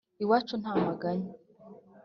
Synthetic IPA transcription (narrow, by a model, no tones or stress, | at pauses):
iwaːt͡ʃun̥haːmaɡaɲa